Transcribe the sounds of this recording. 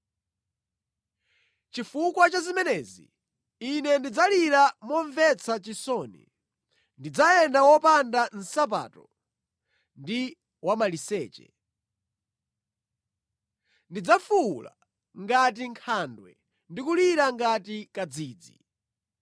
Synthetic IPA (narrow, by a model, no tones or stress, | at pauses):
t͡ʃifukwat͡ʃazimɛnɛzḭː | nɛndid͡zaliɾamɔɱvɛt͡sʰat͡ʃisɔːnḭ | ndid͡zaɛndawɔpandan̩sap̬a̰ːtɔ | ndi | wamalisɛːt͡ʃɛ̰ | ndid͡zafula̰ | ŋɡat̬iŋkʰandwɛ̰ | ndikuliɾaŋɡatikad͡ziːd͡zḭ